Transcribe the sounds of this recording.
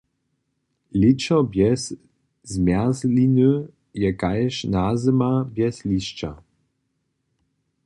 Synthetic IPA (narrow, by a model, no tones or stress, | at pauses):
lɪt͡ɕɔbjɛs | zmjazlinø | jɛkajʃnazəmabjɛsliɕt͡ɕa̰